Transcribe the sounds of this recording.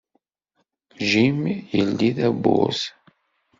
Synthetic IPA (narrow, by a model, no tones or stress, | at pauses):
ʒimjəlːiðæbːʊ̰z